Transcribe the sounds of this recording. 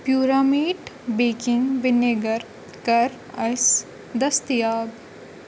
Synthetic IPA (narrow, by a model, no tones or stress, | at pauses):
pjuːɾaːmiːɖbeːkɪŋɡʋɪneɡɐɾ | kɐɾ | ɐs | d̪ɐst̪ijaːb